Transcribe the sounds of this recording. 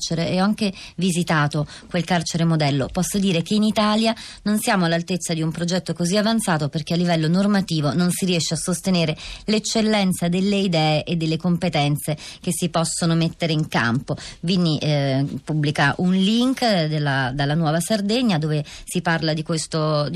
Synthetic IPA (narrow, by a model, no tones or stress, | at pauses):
t͡ʃeɾeɛaŋkevizit̪aːt̪o | kwelkart͡ʃeɾemod̪ɛlːo̰pɔsːod̪iːɾekeinit̪aːljanonsjaːmoalːalt̪et̪sːad̪iumpɾod͡ʒɛt̪ːokoziavant̪saːt̪operk̟ealːivɛlːonormat̪iːvononsiɾiɛʃːeasːost̪eneːɾelet͡ʃːelːɛnt̪sad̪elːeid̪ɛːeʔed̪ːelːekompet̪ɛnt̪sek̟esːipɔsːonomet̪ːeɾeiŋka̰mpovinːiʔpubːlikaʔunliŋkd̪elːad̪alːanwɔːvasard̪eɲːad̪oːvesiparlad̪ikwest̪o